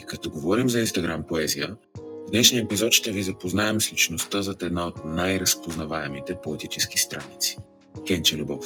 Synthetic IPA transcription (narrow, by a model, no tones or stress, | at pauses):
ikɐt̪ɔɡovɔɾimzɐinst̪ɐɡɾampoɛzijə | vnɛʃnijəɛpizɔt̪t͡ʃt̪ɛvizɐpoznaɛmslit͡ʃnost̪əzɐt̪ɛd̪naot̪̚najɾɐspoznɐvaɛmit̪ɛpoɛt̪it͡ʃɛsk̟i̥st̪ɾanit̪si̥ | kɛnt͡ʃɛlʲubɔf